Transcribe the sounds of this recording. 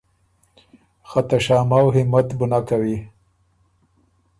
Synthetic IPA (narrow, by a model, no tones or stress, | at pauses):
xat̪aʃɑːmawɦɪmat̪bʊnakawi